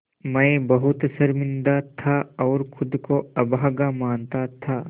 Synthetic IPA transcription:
mɛ̃ːbɐɦʊt̪sɐɾmɪ̃nd̪at̪ʰaɔːɾxʊd̪koɐbʱaːɡamaːnt̪at̪ʰaː

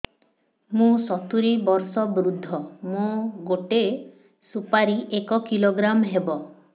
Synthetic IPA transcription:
mũsɔt̪uɾibɔɾsɔbɾud̪ʱːɔmũɡoʈe | supaɾiʔekɔkiloɡɾamɦebɔ

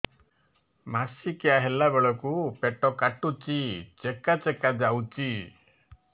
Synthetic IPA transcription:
masikeaɦelabeɭɔkupeʈɔkaʈut͡ʃit͡ʃekat͡ʃekad͡ʒawt͡ʃi

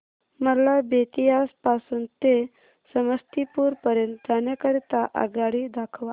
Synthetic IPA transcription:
məlabet̪iaspasuːnt̪e | səməst̪ipuːɾpəɾjənt̪̚d̪ʱanjakəɽit̪aʔa̰ɡaɽid̪akʰʋa

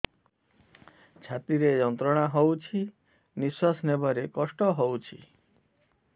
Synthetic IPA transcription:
t͡ʃʰat̪iɾejɔnt̪ɾɔɽ̃aɦowt͡ʃʰi | niswasnebɔɾekɔsʈɔɦowt͡ʃʰḭ

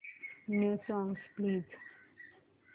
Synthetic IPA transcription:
nosɔ̃ŋspliːz̥

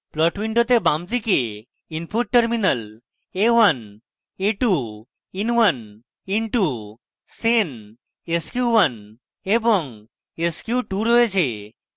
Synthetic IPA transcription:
plɔʈwiɳɖot̪ebamtike | inpʰuʈ̚ʈːəɾminəl | ewən | eʈu | inwən | inʈu | sen | eskjuwən | ebɔŋ | eskjuʈuɾoet͡ɕʰe

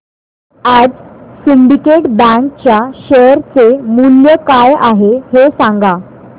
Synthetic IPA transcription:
ad͡zsiɳɖikeʈbæ̃ŋk̚t͡ɕjaɕəɾt͡semuljəkajaɦehesãŋɡa

